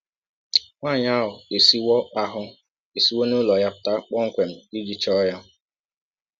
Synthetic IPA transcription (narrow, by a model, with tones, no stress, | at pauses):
ŋʷa˦˨ɲa˦ɦʊ˨e˨si˦wɔ˦a˦ɦʊ˦ | e˨si˦wɔ˦nu˦lɔ˨ja˦pʊ̥˨˦ta˦k͡pɔ˦ŋ̩˦kʷe˨m̩˨i˦d͡ʒi˨t͡ʃɔ˦ja˦